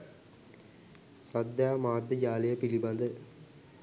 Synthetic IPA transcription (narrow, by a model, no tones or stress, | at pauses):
sɐd̪jaːmaːd̪ːəd͡ʒaːlejəpilibɐnd̪ə